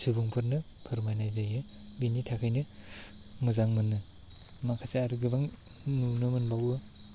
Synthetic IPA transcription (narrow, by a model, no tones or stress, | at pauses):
sɯbuŋpʰɯɾnɯ | pʰɯɾmajnajzajɯ | binitʰakʰajnɯ | mɯzaŋmɯnːɯ | makʰaseaɾɯɡɯbaŋ | nunɯmɯnbawɯ